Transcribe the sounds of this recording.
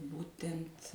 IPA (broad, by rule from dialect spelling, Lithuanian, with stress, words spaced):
ˈbuːtʲɛnʲtʲ